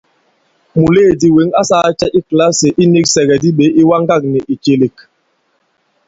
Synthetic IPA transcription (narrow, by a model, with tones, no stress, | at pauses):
mu˨leː˦˨di˨we˨˦ŋa˦sa˦t͡ʃɛ˦ʔi˦kla˦se˨ʔi˦ni˦ksɛ˨ɡɛ˨di˦ɓe˨˦ʔi˦wa˦ŋɡa˦˨k̚nɛ˨ʔi˨t͡ʃe˨le˨k